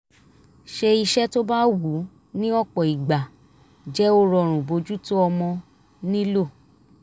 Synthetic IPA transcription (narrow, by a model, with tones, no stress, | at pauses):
ʃe˧i˧ʃɛ˦to˦ba˦wu˨˦ | nĩ˦ɔ˦˨k͡pɔ˨i˨ɡ͡ba˨ | d͡ʒɛ˦o˦ɾɔ˧˨ɾ̃ũ˨bo˧d͡ʒu˦to˦ɔ˧mɔ̃˧ | nĩ˦lo˦˨